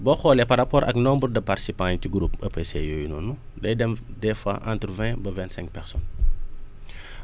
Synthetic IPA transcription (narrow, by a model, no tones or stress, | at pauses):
bɔxɔːlɛpɐɾɐpɔːɾʔɐ̰knɔmbɾdɐparti̥sipãːntiɡɾupɐpesḛjojunɔnu | dɐjdɛmdɛfa̰ʔã̰ːnt̪ɾvɛ̃bɐvɛ̃ntsɛ̃ŋk̚pɛɾsɔn